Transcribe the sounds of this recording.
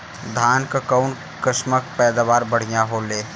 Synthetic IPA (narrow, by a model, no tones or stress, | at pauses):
d̪ʱaːnkakaʊn | kəʃməkpɛːd̪aʋaːɾbɐɽ̤ijãɦoleː